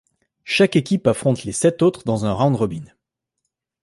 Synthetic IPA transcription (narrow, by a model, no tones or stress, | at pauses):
ʃakekʲipafχɔ̃t̪lesɛt̪ot̪χd̪ɑ̃zɛ̃ʁãd̪ʁɔbin